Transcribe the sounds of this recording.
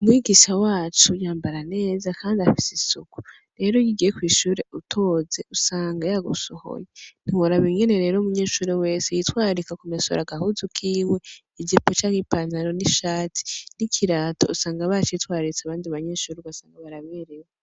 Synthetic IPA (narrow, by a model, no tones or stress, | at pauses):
umwiːɡiʃawaːt͡ʃujaːmbaɾane̞ːzakaːndiafi̥sisuku̥ | ɾe̞ːɾo̞jiɡijekwiːʃuːɾe̞ʔutʰo̞ze̞usaːŋɡajaɡusoho̰jen̥iwaɾaβiŋɡe̞ne̞ɾe̞ːɾomuɲe̞ːʃuːɾewe̞ːsejitwaːɾikakumeso̰ɾaɡahuzukʰiːwe̞ | id͡ʒipot͡ʃaːŋipaːnzaɾo̞niʃaːtʰi̥nikʰiɾatousaːŋɡaβat͡ʃitwaːɾit͡saβaːndiβaɲe̞ːʃuːɾeβasaːŋɡaβaɾaβeːɾewe